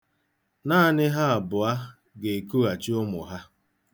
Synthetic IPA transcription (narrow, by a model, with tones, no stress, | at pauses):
naː˦˨nɪ˦ɦa˦a˨bʊ˨a˦ | ɡe˨ku˦a˨t͡ʃɪ˦ʊ˦mʊ̰˨ɦa˦